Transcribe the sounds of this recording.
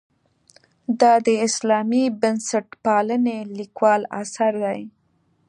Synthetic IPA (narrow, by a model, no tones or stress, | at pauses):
d̪ɑd̪əɪslɑmibənsaʈpɑlənelikwɑla̰saɾd̪aj